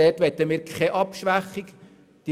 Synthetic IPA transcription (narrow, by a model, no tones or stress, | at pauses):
ɛtʋɛt̪ːəmiːɾkʰɛʔɑpʃʋæχik | d̥i